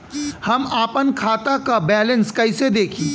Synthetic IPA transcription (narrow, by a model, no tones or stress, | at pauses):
hɐmaːpənkʰaːt̪akabɛːlə̃nskɐɪsed̪eːkʰĩː